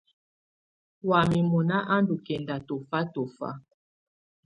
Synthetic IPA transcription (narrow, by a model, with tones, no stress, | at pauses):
wa˨mi˨mɔ˨na˦ʔa˦ndu˨kɛ˨nda˨tɔ˨fa˦tɔ˨fa̰˦